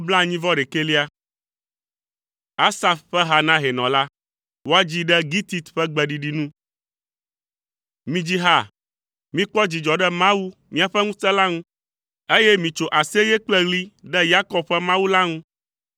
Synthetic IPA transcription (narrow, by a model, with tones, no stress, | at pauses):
bla˦˨ɲĩ˦vɔ˦ɖe˨ke˦li˦a˦ | a˦sa˨fɸɛ˦ɦa˨nã˦ɦe˨nɔ̰̃˨la˦ | wo˦a˦d͡ʑi˦ɖɛ˦ɡi˦t̪i˨t̪ɸɛ˦ɡ͡bɛ˨ɖi˨ɖi˨nũ˦ | mĩ˦d͡ʑi˦ɦa˦˨ | mĩ˦k͡pɔ˦d͡ʑi˨d͡ʒɔ˨ɖɛ˦mã˦wu˦mĩ˦a˨ɸɛ˦ŋũ˦sɛ˦la˦ŋũ˦ | e˦jɛ˦mĩ˨t͡ʃo˨ʔa˨se˦jɛ˦k͡plɛ˦ɣli˦ɖɛ˦ja˦kɔ˦b̚ɸɛ˦mã˦wu˦la˦ŋũ˦